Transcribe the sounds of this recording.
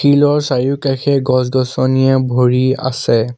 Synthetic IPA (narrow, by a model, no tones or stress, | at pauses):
kʰilɔɹsajukaxʰɛɡɔsɡɔsɔnijɛbʱoɹia̰sɛ